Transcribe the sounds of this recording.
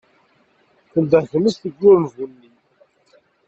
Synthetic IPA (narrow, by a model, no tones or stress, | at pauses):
θənd̪əθəməsθəɡːʊɾmvunːi